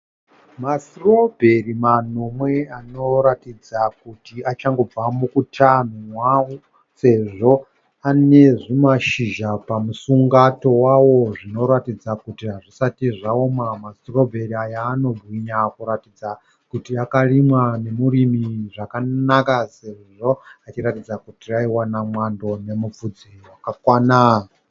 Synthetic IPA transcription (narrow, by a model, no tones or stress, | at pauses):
masirobʱe̞rimanomwe̞ano̞ɾatid͡zakutiat͡ʃaŋɡo̞b͡vamukutʰan̤umwawo | se̞ʐo̞ | ane̞ʐimaʃiʒapamusuŋɡato̞wawo̞ʐino̞ɾatid͡zakutiɦaʐisatiʐaomamastro̞bʱe̞ɾiajaːno̞bʱwiɲakuɾatid͡za | kutiakalimwane̞muɾimiʐakanakase̞ʐiʐo̞at͡ʃiɾatid͡zakutiaiwanamwando̞ne̞mup͡fud͡ziwakakwanaːa